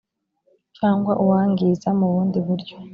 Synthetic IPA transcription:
t͡ʃaːŋɡwaʔuwaːŋɡizamuβuːndiβuɾɟo

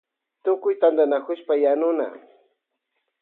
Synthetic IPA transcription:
t̪ʊkʊjt̪and̪anakʊʃpajanʊna̰

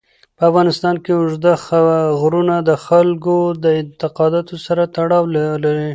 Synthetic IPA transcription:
pəafɣɑnɪst̪ɑnkeʊʒd̪axɣɾunad̪əxalkod̪əɪnt̪ɪqɑd̪ɑt̪osaɾat̪aɽɑwllaɾi

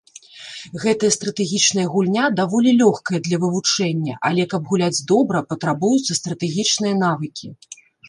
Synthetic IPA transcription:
ɣɛt̪ɨjɐst̪ɾɐt̪ɛɣʲit͡ʂnɐjɐɣulʲnʲad̪avɔlʲilʲɔxkɐjɐd̪lʲɐvɨvut͡ʂɛnʲːɐ̰ʔɐlʲɛkɐbɣulʲad͡zʲd̪ɔbɾɐpɐt̪ɾabujut̪sɐst̪ɾɐt̪ɛɣʲit͡ʂnɨjɐnavɨkʲʰi

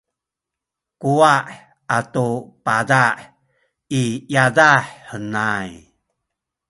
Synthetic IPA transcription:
kuaʔ | atupadaʔ | ijadaħːənaj

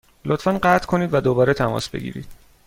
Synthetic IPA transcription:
lot̪fænɢæt̪ʰkʰoniːd̪væd̪obɒːɾet̪ʰæmɒ̰ːsb̥e̞̰ɡḭːɾḭːd̪̥

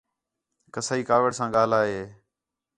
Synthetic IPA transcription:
kəsaːiːkaːʋəɽsãːɠaːlaːɦeː

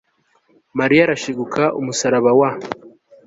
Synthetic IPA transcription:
maɾijaɾaʃiɡukʰaʔumusaɾaβawa

